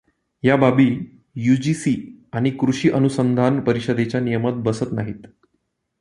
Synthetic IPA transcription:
jababiː | jud͡ʑisiaɽ̃ikɾuɕiːʔənusənd̪ʱanpəɾiɕəd̪et͡ɕjanijəmat̪̚bəsət̪naɦiːt̪

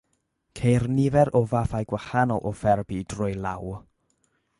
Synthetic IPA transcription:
kʰejrnɪvɛɾʔɔvafajɡwahanɔlˠʔɔfɛrbidrʊjlˠaw

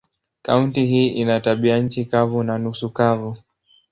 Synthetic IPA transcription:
kauntiɦiːʔinataɓiaɲ̩t͡ʃikavunanusukavu

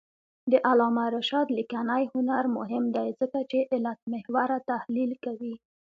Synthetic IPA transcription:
d̪əʔalɑmaɾaʃɑd̪likanajhʊnaɾmʊ̰ɦɪmd̪ajzəkat͡ʃeʔɪlat̪̚mɪhwaɾat̪ahlilkawi

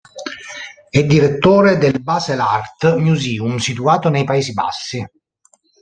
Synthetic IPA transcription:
ɛd̪ːiɾet̪ːoːɾed̪elbazelart̪mjuziːumsit̪uaːt̪onejpaeːziba̰sːi

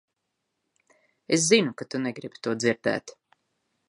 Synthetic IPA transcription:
es̬zinukat̪unɛɡɾibt̪uɔd̪ziɾd̪æ̰ːt̪

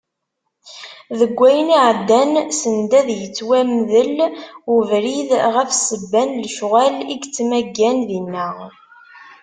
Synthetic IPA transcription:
ðəɡʷːæjəniʕəd̪ːænsənd̪æðjət͡sːwæmðəlʊvɾiðʁəfsəbːænlʃʁæliɡt͡sːmæɡːænðinːəʁ

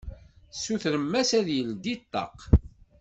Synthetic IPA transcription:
suθɾəmːæsæðjəld̪it̪ˤːɑ̰q

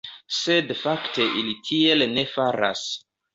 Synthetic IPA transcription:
se̞dfakte̞ʔilitʰie̞lne̞faɾa̰s

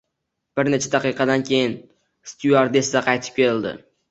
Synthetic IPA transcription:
b̥ɪɾne̞t͡ʃʰad̪aqɨjqɑd̪ankʲʰe̞jɪn | st̪juaɾd̪e̞sd̪aqʰɑjt̪ʰɪ̥p̚kʲe̞ɾɪld̪ɪ̰

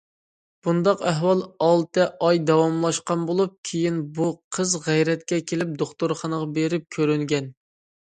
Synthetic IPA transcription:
b̥und̪ɑqæɦwɑlˠɑlˠt̪ɨʔɑjd̪ɑwɑmlˠɑʃqɑnbolˠup̚kʲʰejinbuqʰəzʁɛjɾɛt̪kʲɛkʲʰelɪp̚d̪oχt̪ʊɾχɑnəʁɑbeɾɪp̚kʲʰøɾyŋɡʲɛn

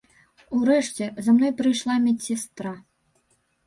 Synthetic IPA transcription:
uɾɛʂt͡sʲɛzamnɔjpɾɨjʂlˠamʲit͡sʲsʲɛst̪ɾa

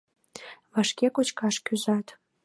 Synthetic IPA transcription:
βɑʃkekot͡ɕkɑʃkyzɑt̪

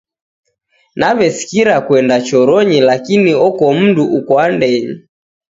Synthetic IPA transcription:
naβɛsi̥kiɾakwɛndat͡ʃɔɾɔɲilakiniɔkɔm̩duʔukɔandɛɲi

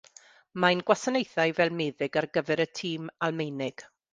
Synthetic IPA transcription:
majnɡwasanejθajvɛlˠmeːðɪɡarɡəvɛɾətʰiːmalˠmejnɪɡ̥

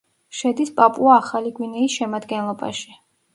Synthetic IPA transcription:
ʃɛd̪ispʼapʼuaːχaliɡwinɛisʃɛmad̪ɡɛnlˠɔba̰ʃi̥

